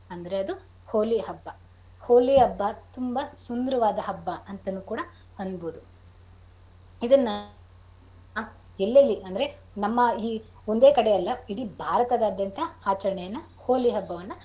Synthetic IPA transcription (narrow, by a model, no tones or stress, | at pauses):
ɐnd̪ɐɾe̞ɐd̪u | hoːliɦɐbːɐ | hoːliɐbːɐt̪umbɐsund̪ɐɾɐʋaːd̪ɐɦɐbːɐɐnt̪ɐnːukuːɽɐ | ɐnd̪boːd̪u | id̪ɐnːɐ | elːɐlːiɐnd̪ɐɾe | nɐmːɐiː | ond̪e̞ːkɐɽejɐlːɐiɽibʱaːɾɐt̪ɐd̪aːd̪ɐnt̪ʰɐaːt͡ʃɐɾɐɳɛjɐnːɐ | hoːliɦɐbːɐʋɐnːɐ